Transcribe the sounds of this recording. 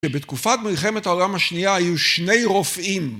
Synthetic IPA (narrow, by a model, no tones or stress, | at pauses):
ebet̪kufat̪̚milχe̞met̪haolamhaʃniaajuʃne̞jʁofim